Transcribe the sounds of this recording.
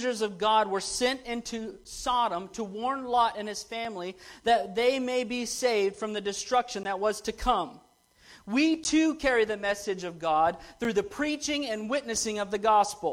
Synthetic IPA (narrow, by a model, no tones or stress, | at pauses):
ʒə˞zʌvɡɑd̚wə˞sɛ̃ntɪ̃ntʰʉsɑɾə̃mtʰəwɔɹnlɔɾɨ̃nɨz̥fæ̃mliðɨt̪̚ðeɪmeɪbiseɪvd̥fɹʌ̃mðɨdɨstɹ̥ʌkʃɨ̃nðət̚wʌz̥tʰɨkʰʌ̃m | witʰʉkʰɛɹiðɨmɛsɨd͡ʒʌvɡɑd̪̚θɹʉðɨpʰɹ̥it͡ʃɪ̃ŋɨ̃nwɪtⁿnɨsɪ̃ŋʌvðɨɡɑspl̩ˠ